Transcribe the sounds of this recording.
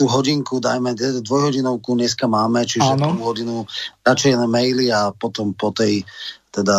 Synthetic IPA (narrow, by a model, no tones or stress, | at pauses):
uːɦɔɟiŋkud̪ajmɛt̪ɛd̪ad̪ʋɔjɦɔɟinɔʊkuɲɲɛskamaːmɛt͡ʃiʒaɛːnuɦɔɟinuɾat͡ʃɛjɛnɛmɛjliapɔt̪ɔmpɔt̪ɛjt̪ɛd̪a